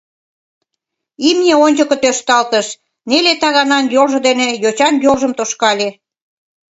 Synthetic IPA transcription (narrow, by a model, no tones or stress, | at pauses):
imnʲeonʲt͡ɕokə̆t̪øʃt̪ɑlt̪əʃ | nelet̪ɑɣɑnɑnjolʒŏd̪enejot͡ɕɑnjolʒəmt̪oʃkɑlʲe